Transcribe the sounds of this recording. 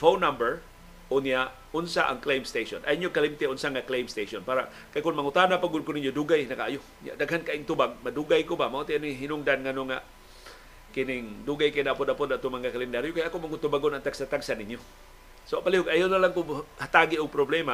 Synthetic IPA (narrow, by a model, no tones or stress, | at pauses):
fownːambɛɹ | ʔʊnijaʔ | ʊnsaʔa̰ŋklejmst̪eʃonʔa̰ɪɲjokalimt̪ɛʊnsaŋaklejmst̪eʃonpaːɾa̰ | kajkʊnmaŋʊt̪anapaɡʊd̪̚kʊnɪɲjoduɡajnɐkaʔajʊ | nja̰ʔd̪aɡɦankaʔɪŋt̪ubaɡ̚maduɡajkʊbamaʔut̪ɪanɪɦɪnʊŋd̪anŋanoŋa | kɪnɪŋduɡajkajnaʔapʊd̪apʊd̪at̪ʊŋmaŋakalɛnd̪aɾjokajakomaŋʊt̪ʊbaɡonaŋt̪aɡ̥sat̪aɡsanɪɲjo | sopalihʊɡajawnalaŋkʊŋhat̪aɡɪʔʊɡ̚pɾoblɛma